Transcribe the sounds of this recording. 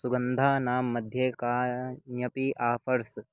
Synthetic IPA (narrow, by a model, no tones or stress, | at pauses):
suɡɐnd̪ʱaːnaːmːɐd̪ʱjeːkaːjɐpiʔaːpʰɐɾs